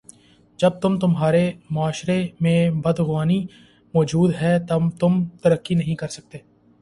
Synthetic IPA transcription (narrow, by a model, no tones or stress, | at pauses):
d͡ʒəb̚t̪ʊmt̪ʊmɦaːɾemʊaːʃɾemẽbɐd̪ɣʊaːni | mɔːd͡ʒuːd̪ɦɛːt̪ɐt̪ʊmt̪əɾəkːinəɦĩkɐɾsək̚t̪eː